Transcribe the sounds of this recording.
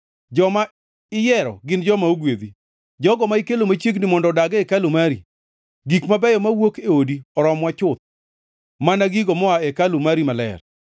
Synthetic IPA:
d͡ʒɔma | ɪjɛɾɔ̰ɡɪnd͡ʒɔmaoɡwed̪i | d͡ʒɔɡɔmaɪkelomat͡ʃeɡnɪmɔndɔdaɡɛɛkalʊmaɾḭ | ɡikmabɛjɔmawokeodiɔɾɔmwat͡ʃʊt̪̚ | manaɡiɡɔmɔaɛkalʊmaɾimalɛ̰r

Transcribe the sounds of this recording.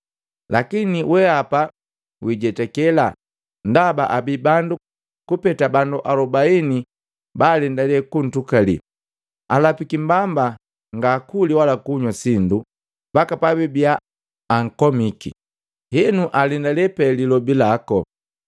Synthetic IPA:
lakiniwɛapa | wiɟɛtɛkɛla | ndaba̰ʔabibandu | kupɛtabanduʔalɔbaini | baːlɛndalɛkun̩tukalḭ | alapikimbamba | ŋɡaːkuliwalakuɲwasindu | b̥akapabibiaː | ŋ̩kɔmikḭ | hɛnuʔalɛndalɛpɛlilɔbilakɔ

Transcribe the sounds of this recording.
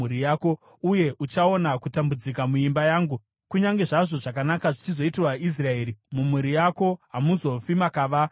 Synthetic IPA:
uɾijaːko | uje̞ʔut͡ʃaonakutambud͡zikamuimbajaːŋɡu | kuɲaŋɡe̞ʐaʐo̞ʐakanakaʐit͡ʃizo̞itirwaʔis̬rae̞ːɾimumuɾijako̞ɦamuzo̞fimakaːʋa

